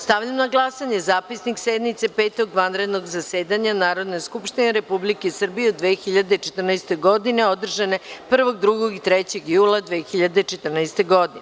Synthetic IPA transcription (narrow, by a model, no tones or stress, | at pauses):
st̪aʋʎamnaɡlˠasaɲe̞zaːpisniksed̪nit̪se̞peːt̪o̞ɡʋanɾe̞d̪no̞ɡzaseːd̪aɲanaːɾo̞d̪neskupʃt̪ineɾe̞publikesr̩bijeod̪ʋeːxiʎad̪e̞t͡ʃet̪rnast̪e̞ɡo̞d̪ine̞o̞d̪r̩ʒane̞pr̩ʋo̞ɡ̚d̪ɾuɡoɡit̪ɾet͡ɕe̞ɡjuːlˠad̪ʋeːxiʎad̪e̞t͡ʃet̪r̩najst̪e̞ɡo̞d̪ine